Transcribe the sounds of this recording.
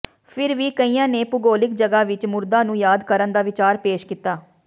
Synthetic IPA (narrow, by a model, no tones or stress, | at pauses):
pʰɪɾʋiːkəiːjãːneːpʊɡoːlɪkd͡ʒəɡaːʋɪt͡ʃmʊɾd̪ãːnũːjaːd̪kəɾənd̪aːʋɪt͡ʃaːɾpeːʃkɪt̪aː